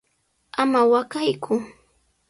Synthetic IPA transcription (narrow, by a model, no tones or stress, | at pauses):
amawakajkʰʊ